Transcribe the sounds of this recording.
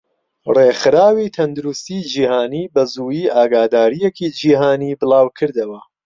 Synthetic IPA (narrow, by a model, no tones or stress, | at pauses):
rexɨɾaːwit̪ʰɐnd̪uɾust̪iːd͡ʒiːhaːniːbɐzuːjiːʔaːɡaːd̪aːɾijekid͡ʒiːɦaːniːbɨlɑːwkʰɨɾd̪ɐwɐ